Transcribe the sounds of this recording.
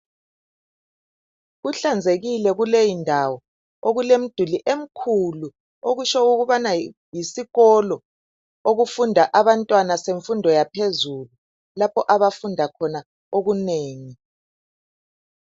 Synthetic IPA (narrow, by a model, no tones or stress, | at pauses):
ɣuɬand͡zʱeɣilɛɣulejindʱawɔ | oɣulem̩d̥ʱuliʔem̩kʰulu | oɣut͡ʃɔuɣuβana | jisiɣɔlɔ | oɣufundʱaʔaβantʼwanaseɱfundʱɔjapʰezulu | lapʰɔʔaβafundʱakʰɔna | oɣuneːŋi